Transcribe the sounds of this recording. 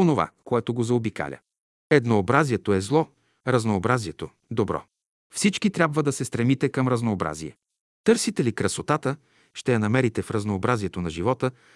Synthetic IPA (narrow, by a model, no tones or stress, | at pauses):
onova̰koɛt̪oɡozɐobika̰lʲə̰ | ɛd̪noːbɾaziɛt̪oɛzlˠɔ | ɾɐznoːbɾaziɛt̪o | d̪obɾɔ̰ | fsit͡ʃkit̪ɾʲabvəd̪ɐsɛst̪ɾɛmit̪ɛkɐmɾɐznoːbɾa̰ziɛ̰ | t̪ɤɾsit̪ɛlikɾɐsot̪at̪ə | ʃt̪ɛjɐnɐmɛɾit̪ɛfɾɐznoːbɾaziɛt̪onɐʒivɔt̪ə